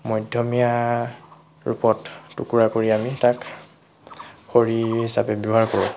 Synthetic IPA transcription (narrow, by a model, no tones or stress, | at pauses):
mɔjdʱjɔmija | ɹṵpɔtːukuɹakoɹiamitak | xoɹiɦisa̰pɛbjɔɦaɹkoɹʊ̰̃